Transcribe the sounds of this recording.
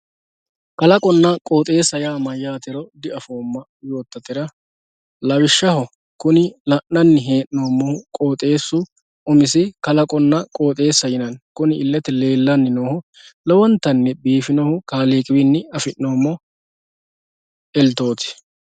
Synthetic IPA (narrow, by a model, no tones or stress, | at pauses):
kɐlɐkʼɔnːɐkʼo̞ːt̪ʼe̞ːsɐjaːmɐjːaːt̪ɪɾɔd̪ɪɐfo̞ːmːɐ | jo̞ːt̪ːɐt̪ɪɾɐ | lɐwɪʃːɐhɔ | kʊnɪlɐʔnɐnːɪɦeːʔno̞ːmːɔhʊkʼo̞ːt̪ʼe̞ːsːʊ | ʊmɪsɪkɐlɐkʼɔnːɐkʼo̞ːt̪ʼe̞ːsːɐjɪnɐnkʊnɪɪlːɛt̪ɛle̞ːlːɐnːɪnoːhʊ | lɔwɔnt̪ːɐnːɛbiːfɪnɔhʊkaːleːkʼɪbɪnːɪɐfɪʔno̞ːmːɔ | ɛlt̪o̞ːt̪ɪ̥